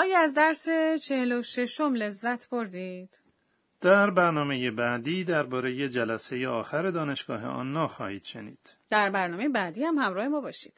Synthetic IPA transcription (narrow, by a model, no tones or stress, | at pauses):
ʔɒːjɒæzd̪æɾset͡ʃʰe̞heloʃe̞ʃo̞mle̞zːæt̪ʰboɾd̪iːd̪̥ | d̪̥æɾbæɾnɒːme̞je̞bæːd̪iːd̪æɾbɒːɾe̞je̞d͡ʒælæse̞jeɒːxæɾe̞d̪ɒːne̞ʃɡ̥ɒːɦe̞̰ʔɒ̰ːnːɒːxɒ̰ːhiːd̪̥ʃenḭːd̪̥d̪̥æɾbæɾnɒːmejebæːd̪iːhæmhæmɾɒːhe̞mɒːbɒːʃiːd̪̥